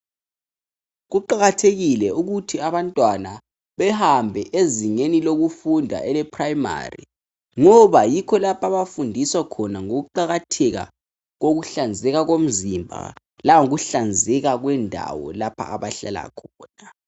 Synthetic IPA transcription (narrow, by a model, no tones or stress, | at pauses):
ɣuǃaɣatʰeɣilɛuɣutʰiaβantʼwana | βɛhambʱɛʔeziŋeniloɣufundʱa̰ʔɛlɛpʰrajma̰rḭ | ŋɔβajikʰɔlapʰaβafundʱiswakʰɔnaŋoɣuǃaɣatʰɛɣa̰ | ɣoɣuɬand͡zʱɛɣaɣom̩zimbʱa̰ | laŋuɣuɬand͡zʱɛɣaɣwɛndʱa̰wɔ̰lapʰa̰aβaɬa̰la̰kʰɔːna